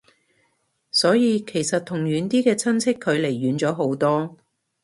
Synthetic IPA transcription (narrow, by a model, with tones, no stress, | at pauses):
sɔː˨˥jiː˨˧kʰe˨˩jsɐ˨t̪ʰʊ˨˩ŋjyː˨˥nt̪iː˥kɛː˧t͡sʰɐ˥nt͡sʰɪ˥kʰːɵ˨˧ɥle˨˩jːyː˨˥nt͡sɔː˨˥ɦo˨˥wt̪ɔː˥